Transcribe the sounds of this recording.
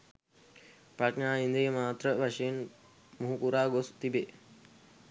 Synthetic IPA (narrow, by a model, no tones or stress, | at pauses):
paʈɲaːind̪ijəmaːt̪ɾəʋɐʃeːn | muɦukuɾaːɡost̪ibe